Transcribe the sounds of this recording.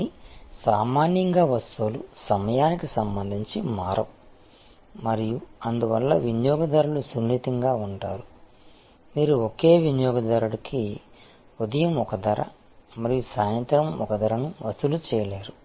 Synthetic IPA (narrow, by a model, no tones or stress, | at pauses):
isaːmaːnjɐŋɡaːʋɐst̪ulusɐmɐjaːnikisɐmbɐnd̪ʱiɲt͡ʃimaːɾɐ | mɐɾijuɐnd̪uʋɐlːɐʋinjɔːɡɐd̪ɐɾuɭusunːit̪ɐŋɡaːuɳʈa̰ːɾu | miːɾuokeːʋinjɔːɡɐd̪ɐɾuɽɐki | od̪ɐjɐmɔkɐd̪ɐɾɐ̰ | mɐɾijusaːjɐnt̪ɾɐmɔkɐd̪ɐɾɐnuʋɐst̪ulut͡ʃɛːjɐleːɾu